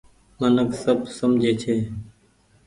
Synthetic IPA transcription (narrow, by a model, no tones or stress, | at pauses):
mənəksəbsəmd͡ʒʱeːt͡ʃʰeː